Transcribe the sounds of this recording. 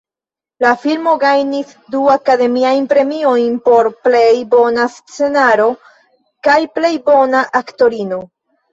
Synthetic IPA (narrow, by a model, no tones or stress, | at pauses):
lafilmo̞ɡajnis | duakade̞miajnpɾe̞mio̞jnpo̞ɾple̞jbo̞nast͡se̞naɾo̞ | kajple̞jbo̞naʔakto̞ɾino̞